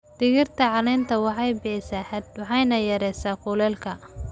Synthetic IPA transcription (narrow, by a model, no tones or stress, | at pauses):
d̪̥ɪɣɪrt̪ʰɐʕɑnɛːnt̪ʰɐwɑħɑjbɪħɪsaħd̪wɑħɑjnɐjɐɾɛjsaːqʊlɛːlkʰɐ